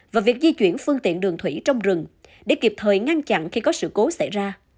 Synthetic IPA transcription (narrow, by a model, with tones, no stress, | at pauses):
vaː˨˩vi˨˩k̚zi˧t͡ɕwi˧˩ənfɨ˧əŋt̪ḭ˧˨ənɗɨ˨˩əŋt̪ʰwi˧˩t͡ɕɔ˧wŋ͡mzɨ˨˩ŋɗe˧˩ki˨˩p̚t̪ʰəː˨˩jŋa˧nt͡ɕa̰˧˨nxi˧kɔ˨˦sɨ̰˧˨ko˨˦sa˧˩jzaː˧